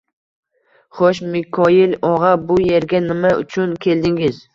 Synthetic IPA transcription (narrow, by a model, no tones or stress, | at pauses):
χoʃmɪkʰɒjɪlɒʁɑbʊje̞ɾɡʲanɪmaʊ̰t͡ʃʰʊnkʲʰe̞ld̪ɪŋɪz